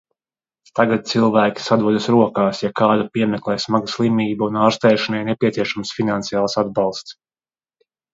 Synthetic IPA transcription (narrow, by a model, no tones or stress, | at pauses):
t̪aɡat̪̚t̪silˠvæːkʲi̥sad̪uɔd̪asɾuɔkaːsjakaːd̪apiɛmɛklˠɛːsmaɡaslˠimiːbaunaːɾst̪ɛjʃanainɛpʲiɛsiɛʃamsfinant̪sijaːlˠsad̪̚bɑlˠst̪s